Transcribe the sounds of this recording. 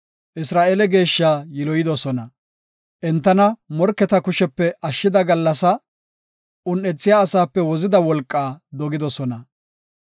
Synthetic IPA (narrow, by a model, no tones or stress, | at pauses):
ʔɪsɾaːʔeːlɛɡe̞ːʃːaːjɪlɔjɪd̪ɔsɔnɐ | ʔɛnt̪ːɐnɐmɔɾkːɛt̪ɐkʊʃɛpːɛʔɐʃːɪd̪ɐɡɐlːɐsɐ | ʊnːɛt͡sːɪjaːsaːpːɛwɔzɪd̪ɐwɔlkʼːaːd̪ɔɡɪd̪ɔsɔnɐ